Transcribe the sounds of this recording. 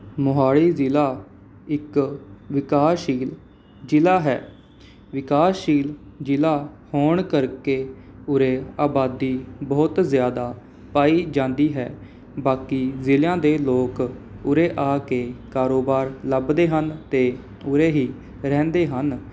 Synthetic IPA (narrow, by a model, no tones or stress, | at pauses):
mʊɦaːɭiːzɪlaː | ɪkʋɪkaːʃiːl | d͡ʒɪlaːɦɛ̰ː | ʋɪkaːsiːld͡ʒɪlaːhoːɳkəɾkeːʊɾeːaːbaːd̪iːbɔːt̪zjaːd̪aː | paːiːd͡ʒãːnd̪iːɦɛ̰ː | baːkiːzɪljãːd̪eːloːkʊɾeːʔaːkeːkaːɾoːbaːɾləbd̪eːɦənt̪eː | ʊɾeːɦiː | ɾɛ̃ːnd̪eːɦən